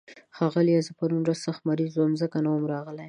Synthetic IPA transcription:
xɑɣəljazəpaɾunɾassaxt̪maɾizwomzəkanawəmɾɑɣlaj

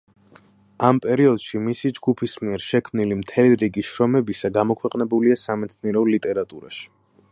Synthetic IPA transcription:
ampʼɛɾiɔd̪̥ʃimisid͡ʒɡupʰismiɛɾʃɛkʰmnilimt̪ʰɛliɾiɡiʃɾɔmɛbisaɡamɔkʰwɛqʼnɛbuliasamɛt̪sʰniɛɾɔlit̪ʼɛɾat̪ʼuɾa̰ʃi̥

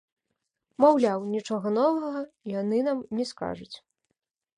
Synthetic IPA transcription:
mawlʲawnʲit͡ʂɔɣɐnɔvɐɣɐijanɨnamnʲɛska̰ʐut͡sʲ

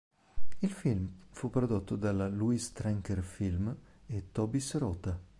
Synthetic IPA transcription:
ilfilmfupːɾod̪ot̪ːod̪alaluist̪ɾɛŋkɛrfilmet̪ːɔbisɾɔːt̪a

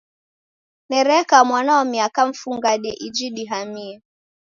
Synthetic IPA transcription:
nɛɾɛkamwanaɔmiakaɱ̩fuŋɡaɗɛʔid͡ʒiɗiɦamiɛ

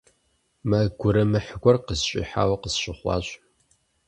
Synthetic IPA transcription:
mɐɡʷʊɾɐmɨħəɡʷɔrqəzɕʼɪḭːħa̰ːwɐqəzɕɪχʷɑ̰ːɕʼ

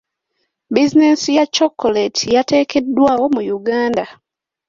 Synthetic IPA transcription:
bizine̞sijat͡ʃːo̞kːoletʰijate̞ːke̞dːwaːwo̞mujuɡaːnda

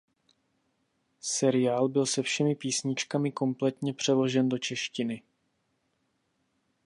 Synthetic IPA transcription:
sɛɾɪjaːlbɪlsɛfʃɛmɪpiːsɲɪt͡ʃkamɪko̞mplɛt̪ɲɛpr̝̥ɛlo̞ʒɛndo̞t͡ʃɛʃcɪnɪ

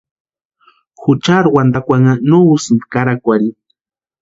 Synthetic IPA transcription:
xʊt͡ʃaɾwand̪akʷaŋanowskaɾakʷaɾi

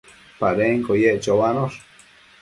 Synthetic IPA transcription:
paɾeŋkojeʔt͡ʃowanoɾ

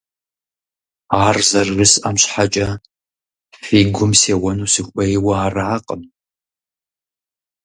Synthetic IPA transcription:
aːrzɐrːɨsɐmɕħat͡ʃʼɐ | fiːɡʷʊmseːwɐnuːsɨxʷʔɐjɪwɐaːraaːqʼəm

